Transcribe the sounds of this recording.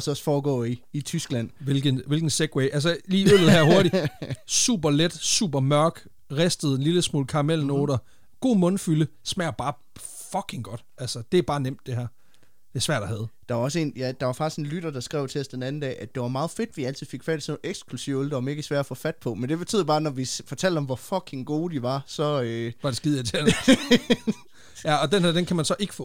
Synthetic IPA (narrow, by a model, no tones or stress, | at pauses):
ɒsɒsfɒːɡ̥ɔ̰ːiit͡sʰysɡ̥læn̰ʋe̝lɡ̥ənʋe̝lɡ̥n̩seɡ̥weɪʔælsəliːølð̩ˠæɐ̰ɦo̝ɐɾisṵːb̥ɐled̥sṵːb̥ɐmɶɐɡ̥ | ʁesd̥əð̩ˠenliləsmo̰ːlkʰɑ̈ʁmelno̝̰ːɾ̥ɐ | ɡ̥o̝̰ːmɔ̽nfyləsmæɐb̥ɑ̈ː | fɒkʰe̝ŋɡ̥ɒ̽d̥ʔælsɐd̥e̝æb̥ɑ̈ːnem̰d̥e̝ɦæɐ̰ | d̥e̝sʋæɐ̰d̥ɑ̈hæð̞̩ˠd̥ɑ̈ʋɑ̈ɒ̽s̬əe̝̰ːnjæd̥ɑ̈ʋɑ̈fɑ̈ɡ̥isɡ̥e̝n̩lyɾ̥ɐd̥ɑ̈sɡ̥ʁɛ̰ʊ̰t͡sʰesd̥enæn̩d̥ɛ̰ːʔæd̥e̝ʋɑ̈mɑ̈ːð̩ˠfe̝d̥ʋiæl̰t͡sʰið̩̰ˠfe̝ɡ̥fæd̥i̥sɒeɡ̥sɡ̥lusiʊ̰old̥ɐme̝ːɡ̥əsʋæɐ̥ɐfɔ̰fæd̥̚pʰɒ̽mend̥e̝b̥e̝t͡sʰy̰ːð̰ˠb̥ɑ̈ːnɒʋifɒ̽t͡sʰæl̰d̥ɒ̽mʋɒfɒ̽kʰe̝ŋɡ̥o̝ːd̥iʋɑ̈sɒ̽øʋɑ̈d̥esɡ̥ið̰ˠjɑt͡sʰel | jæɒ̽d̥enhæɐd̥enkʰæmænsɒ̽ʔe̝ɡ̥əfɔ̰̽ː